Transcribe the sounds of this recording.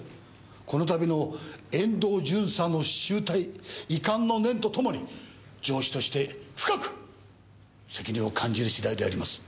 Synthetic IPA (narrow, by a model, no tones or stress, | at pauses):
ko̞no̞t̪abʲino̞ẽ̞nd̪o̞ːd͡ʑɨ̃ɰ̃sanːoɕɨːt̪aiikãnːo̞nẽ̞nt̪o̞t̪o̞mo̞ɲ̟i | d͡ʑo̞ːɕi̥t̪o̞ɕi̥t̪e̞ɸɯ̥kakɯ̟̥ | se̞kʲiɲ̟ĩo̞kʰãɲ̟d͡ʑiɾɯ̟ɕid̪aid̪e̞aɾʲimasɨ̥